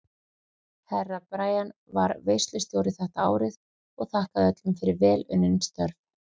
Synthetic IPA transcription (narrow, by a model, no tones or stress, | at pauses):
hɛrːapɾaːjan | va̰ɾveːjst̪lʏst̪jowɾɪθɛht̪aa̰ːwɾɪð | ɔɣθahkaðœt̪lʏmfɪɾɪɾvɛːlʏnːɪnst̪œɾv